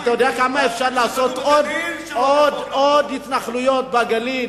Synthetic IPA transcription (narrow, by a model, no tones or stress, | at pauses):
t̪ajodɛakamaefʃaʁlaːso̞t̪od̪ | od̪od̪hit̪naχlujo̞t̪̚baɡalin